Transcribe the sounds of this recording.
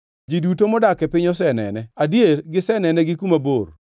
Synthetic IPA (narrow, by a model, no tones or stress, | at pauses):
d͡ʒidutomɔdakɛpɪɲɔs̬ɛnɛ̰nɛadjeɾɡɪsɛnɛnɛɡɪkumabor